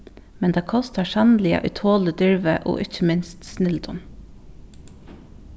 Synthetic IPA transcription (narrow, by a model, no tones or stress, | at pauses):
mɛnd̪eːkʰɔst̪əʃɑnlɪə̰ʔʏt̪ʰoːləd̪ʏɹʋəʔo̰ːʔɪçəmɪnst̪snʏld̪ʊm